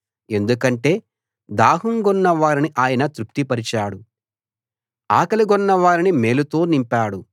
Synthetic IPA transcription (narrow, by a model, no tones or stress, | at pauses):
e̞nd̪ukɐɳʈe̞ː | d̪aːɦuŋɡɔnːɐʋaːɾiniʔaːjɐnɐt̪ɾuk̚t̪ipɐɾit͡ʃaːɽu | aːkɐliɡɔnːɐʋaːɾinime̞ːlut̪o̞ːnimpaːɽu